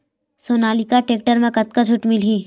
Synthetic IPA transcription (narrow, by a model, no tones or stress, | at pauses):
soːnaːlikaʈeːk̚ʈəɾmẽkɐt̪̚kad͡ʒʰʱʊʈmɪlɦiː